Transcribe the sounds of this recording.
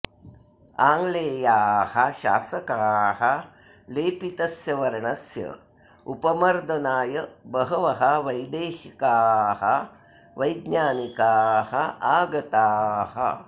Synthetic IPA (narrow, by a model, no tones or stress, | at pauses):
aːŋɡleːjaːhɐʃa̰ːsɐkaːɦɐ | leːpit̪ɐsjɐʋɐɾɐɳɐsjɐ̰ | upɐmɐɾd̪ɐnaːjɐbɐɦɐʋɐɦɐʋɐjd̪eːʃikaːɦɐ̰ | ʋɐjd̪ɲaːnikaːhɐaːɡɐt̪aːɦɐ̰